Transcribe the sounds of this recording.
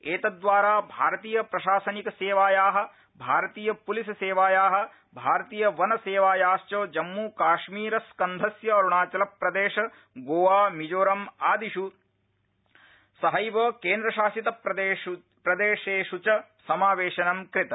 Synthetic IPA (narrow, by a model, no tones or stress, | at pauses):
eːt̪ɐd̪ʋaːɾaːbʱaːɾɐt̪iːjɐpɾɐʃaːsɐnikɐseːʋaːjaːɦɐ̆ | bʱaːɾɐt̪iːjɐpulisɐseːʋaːjaːɦɐ̆ | bʱaːɾɐt̪iːjɐʋɐnɐseːʋaːjaːst͡ʃoːd͡ʒɐmːuːkaːʃmiːɾɐskɐnd̪ʱɐsjɐɐɾuɳaːt͡ʃɐlɐpɾɐd̪eːʃɐ | ɡoːʋaːmid͡ʒoːɾɐmaːd̪iʃu | sɐɦɐjʋɐːkeːnd̪ɾɐʃaːsit̪ɐpɐe | pɾɐd̪eːʃeːʃut͡ʃɐsɐmaːʋeːʃɐnɐmkɾɪt̪ɐ